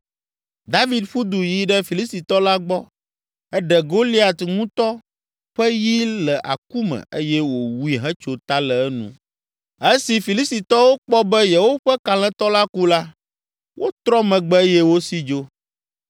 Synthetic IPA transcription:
d̪a˦vi˨d̪ɸu˦d̪u˨ji˨ɖɛ˦fi˨li˦st̪i˨t̪ɔ˦la˦ɡ͡bɔ˦ | ɛ˦ɖɛ˨ɡo˦li˦a˨t̪ŋũ˦t̪ɔ˦ | ɸɛ˦ji˦lɛ˨ʔa̰˨ku˦mɛ̰̃˨e˦jɛ˦wo˨wu˦i˦ɦɛ̃˦t͡ʃo˨t̪a˦lɛ˨ɛ˦nṵ̃˦ | e˦si˨fi˨li˦st̪i˨t̪ɔ˦wo˦k͡pɔ˦bɛ˦jɛ˨wo˦ɸɛ˦ka˨l̃ɛ̃˦t̪ɔ˦la˦ku˦la˦ | wo˦t̪ɾɔ˦mɛ̃˨ɡ͡bɛ˦jɛ˦wo˦si˦d͡ʒo˦

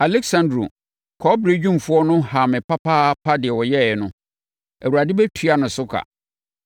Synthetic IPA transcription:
a˨lɛ˦ksã˨ndɾo̰˨ | kʰɔ˦bɾe˦d͡ʑᶣũ˦mfʊ˦ɔ˦nʊ̃˦ha˨mɪ̃˨pa˦pʰa˦pʰa˦dɪ˨ɛ˨wɔ˨jɛ˦˨ɛ˨nʊ̃˦ | æ˨wu˨ɾa˨dɪ˦bɛ˦tʰu˨˦a˨nʊ̃˨sʊ˦kʰa̰˨

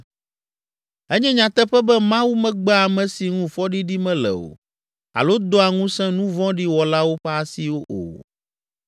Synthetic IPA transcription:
ɛ˦ɲɛ̃˦ɲã˨t̪ɛ˦ɸɛ˦bɛ˦mã˦wu˦mɛ̃˦ɡ͡bɛ˦a˨mɛ̃˨si˨ŋũ˦fɔ˦ɖi˦ɖi˦mɛ̃˦lɛ̰˨o̰˨ | a̰˨lo˦d̪o˦a˨ŋũ˦sɛ̃˦nũ˦vɔ̃˦ɖi˦wɔ˨la˦wo˦ɸɛ˦a˨si˦wo˦ʔo̰˨

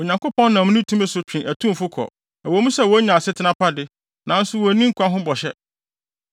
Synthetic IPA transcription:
o˨ɲã˨ŋkʊ˦pɔ̃˦nːã˨m̃˦nĩ˦tʰũ˦mɛ̃˦sʊ˦t͡ɕᶣĩ˨ʔæ˨tʰũ˦˨fʊ˦kʰɔ̰˨ | æ˨wɔ˨˦mũ˦sɛ˦˨wɔ˨˦ɲã˨sɪ˦tʰɪ˨˦nã˦pʰa˦dɪ˦ | nã˨˦n̩˦sʊ˦wɔ˨nĩ˦ŋ̩˦kʰʷã˦ɦʊ̃˦bɔ˨ɕɛ˦

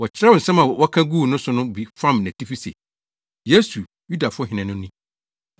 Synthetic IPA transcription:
wɔ˨t͡ɕʰɪ˨ɾa˦wɔ˨n̩˨sɛ̃˦mã˨wɔ˦kʰã˦ɡu˦˨nʊ̃˦sʊ˨˦nʊ̃˦bi˨fã˦mnã˨tʰi˦fi˦sḛ˨ | je˦su˨ | ju˦da˨fʊ˦ɔ˦hɪ̃˨nɪ̃˨nʊ̃˦nĩ˦

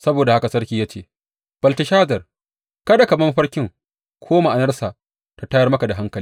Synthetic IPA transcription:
sɐ˦boː˨da˨ha˦ka˨sɐ˦rkʲiː˨jaː˦t͡ʃeː˦˨ | b̥ɐ˨ltɪ˨ʃaː˦zɐ˨r | kɐ˦da˨kɐ˨bɐ˦m˦ɸɐ˦rkʲɪ˦ŋ | kʷʰoː˦ma˨ʔa˨nɐ˦rsaː˨ | ta˨ta˦jɐ˦rmɐ˦ka˨da˨ɦa˦ŋkɐ˨li˦

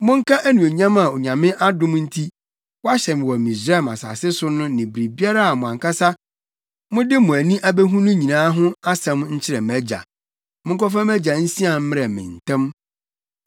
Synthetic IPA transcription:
mʊ̃˦ŋ̩˦kʰa˦ʔæ˦nũ˨e˨ɲã˦ma˨o˨ɲã˨mɪ̃˦ʔa˦dʊ̃˦mn̩˦tʰi˦ | wɔ˦a˦ɕɛ˨mɪ̃˨wɔ˨mĩ˨s̬ɾa˦˨ma̰˨sa̰˨sɪ˦sʊ˦nʊ̃˦nɪ̃˨bi˨ɾi˨bi˦a˦ɾa˦a˨mʊ̃˨ã˨ŋkʰa˦sa˦ | mʊ̃˦dɪ˦mʊ̃˨æ˨nĩ˦ʔa˦bæ˦ɦũ˦nʊ̃˦ɲĩ˨nãː˦ɦʊ̃˦a˦sɛ̃˦m˦ɲ̩˦t͡ɕʰɪ˦ɾɛ˨mæ˦d͡ʑa̰˨ | mʊ̃˦ŋ˦kɔ˦fã˦mæ˦d͡ʑa˨n̩˦si˦a˨m̩˦m˦ɾɛ˨mɪ̰̃˨n̩˨tʰɛ̃˦m

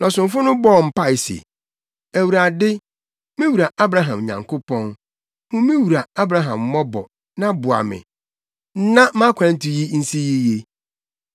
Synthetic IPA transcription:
nɔ̃˨sʊ̃˨ɱ̩˦fʊ˦nʊ̃˦bɔ˦˨m̩˦˨pa˦˨ɪ˨sḛ˨ | æ˨wu˨ɾa˨dɪ˦ | mĩ˦wu˨ɾa˨ʔa˦bɾa˦ɦã˨mɲã̰˨ŋkʊ˦pʰɔ̃˦n | hʊ̃˦mĩ˦wu˨ɾa˨a˦bɾa˦ɦã˨m˦mɔ̃˦bɔ˨ | nã˦bʊ˨a̰˨mɪ̰̃˨˦ | nã˦mã˦kʷʰã˨n̩˦tʰi˨ji˦n̩˦si˦ji˦je˦

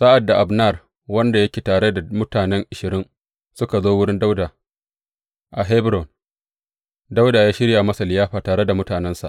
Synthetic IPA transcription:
saː˦ʔa˨dːa˨ʔa˨bna˦˨r | wɐ˦nda˨jɐ˦kʲe˨taː˨ɽe˦da˨mʊ˦taː˨nɛ˦ŋʔɪ˨ʃɪ˨ɾɪ˦ŋ | sʊ˦ka˨zoː˦wʊ˦ɽɪ˦nda˦wda˨ | ʔa˨ɦɛ˦bɾɔ˨n | da˦wdaː˨jaː˦ʃɪ˦ɽja˨mɐ˦sa˨lɪ˨jaː˦ɸaː˨taː˨ɽe˦da˨mʊ˦taː˨nɛ˦nsa˨ʔ

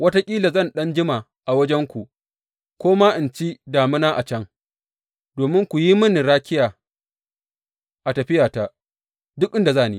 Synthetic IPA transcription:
wɐ˦ta˦kʲʼiː˦la˨zɐ˦˨nɗɐ˦nd͡ʒɪ˦ma˨ | ʔa˨wɐ˦d͡ʒɛ˦ŋkʷu˨ʔ | kʷoː˦maː˦ʔɪ˨nt͡ʃi˦daː˨mɪ˦naː˦ʔa˨t͡ʃɐ˦ŋ | doː˨mɪ˦ŋkʷu˨ji˦mɐ˦nɪ˨ɽaː˦kʲɪ˦jaː˨ | ʔa˨tɐ˨ɸɪ˦jaː˨ta˦ | dʊ˦k̚ʔɪ˦nda˨zaː˦˨niː˦

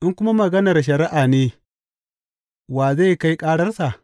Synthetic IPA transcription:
ʔɪ˦ŋkʷʊ˦ma˦mɐ˨ɡɐ˦nɐ˨rʃ̬ɐ˨ɾɪ˦ʔaː˨neː˦ | waː˨za˦˨ka˦jkʼaː˦ɽɐ˦rsa˨ʔ

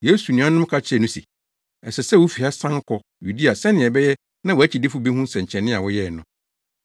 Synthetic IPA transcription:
je˦su˨nĩ˨ã˦nʊ̃˦m˦kʰa˦t͡ɕʰɪ˦ɛ˨nʊ̃˦sḭ˨ | ɛ˨sɛ˨sɛ˦˨wʊ˦fi˨a˦sã˦ŋkʰɔ˨ | ju˨di˦a˨sɛ̃˦nɪ̃˨ɛ˨bɛ˦jɛ˦ | nã˦wɔ˨æ˦t͡ɕʰi˨dɪ˦fu˦bi˦hũ˦sɛ̃˨ɲ̩˨t͡ɕʰɛ̃˨nːɪ̃˦a˨wʊ˦jɛ˦˨nʊ̃˨˦

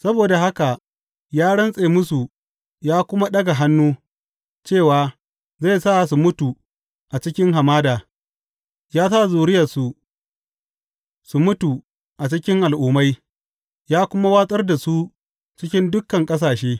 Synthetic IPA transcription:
sɐ˦boː˨da˨ɦa˦ka˨ | jaː˦ɽɐ˦nsʼeː˨mʊ˦su˨ | jaː˦kʷʊ˦ma˦ɗɐ˦ɡa˨ɦa˦nːuː˦ | t͡ʃeː˦˨waː˨ | za˦˨jsa˦˨su˨mʊ˦tu˨ | ʔa˨t͡ʃɪ˦kʲɪ˦ŋɦa˨maː˦daː˨ | jaː˦sa˦˨zuː˨ɽɪ˦jɐ˨su˨ | su˨mʊ˦tu˨ | ʔa˨t͡ʃɪ˦kʲɪ˦ŋʔa˨lʔuː˨ma˦j | jaː˦kʷʊ˦ma˦waː˦sʼɐ˦rda˨su˦ | t͡ʃɪ˦kʲɪ˦ndʊ˦kːɐ˨ŋkʼɐ˦s̬aː˨ʃeː˦

